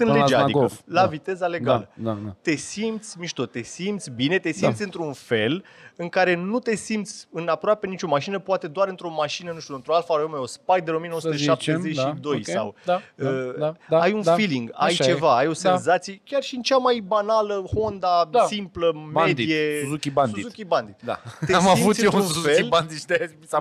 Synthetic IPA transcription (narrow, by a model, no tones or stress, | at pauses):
ɨnled͡ʒaiolavit̪e̞zale̞ɡalət̪e̞simt̪sʲmiʃt̪ott̪ːe̞simt̪sʲbine̞t̪e̞simmt̪sʲɨnt̪ɾunfe̞lɨŋkaɾe̞nut̪e̞simt̪sʲɨnapɾoape̞nit͡ʃo̞maʃinəpoat̪e̞d̪oaɾɨnt̪ɾo̞maʃinənuʃt̪uɨnt̪ɾoalfaomeospajd̪eomienosut̪əʃapp̚t̪ezet͡ʃʃid̪o̞jsa̰wd̪aəd̪aajunfiliŋɡa̰jt͡ʃe̞vaajo̞senzat̪sijekʲarʃiɨnt͡ʃamajbanaləho̞nd̪asimpləmed̪iiezukʲibanduiukʲiband̪it̪d̪a̰t̪easmaivut̪seunfeilband̪id̪e | a